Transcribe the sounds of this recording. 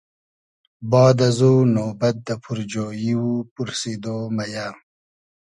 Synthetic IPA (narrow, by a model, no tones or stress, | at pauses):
bɑːd̪ɐzoːnoːbɐt̪̚d̪ɐpʰuɾd͡ʑoːjiwupuɾsid̪oːmɐjaː